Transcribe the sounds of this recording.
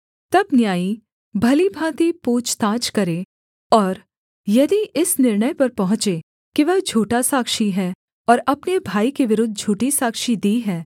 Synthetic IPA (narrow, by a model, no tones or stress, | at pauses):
t̪ɐbnjaːi | bʱɐlibʱãːt̪ipuːt͡ʃt̪ãːt͡ʃkɐɾe | ɔːɾ | jɐd̪iʔɪsnɪɾɳəjpɐɾpɐɦʊ̃t͡ʃe | kiʋɛɦd͡ʒʱuːʈasaːkʃiɦɛ | ɔːɾɐpnebʱaːikeʋɪɾʊd̪ʱːd͡ʒʱuːʈisaːkʃid̪iːɦɛː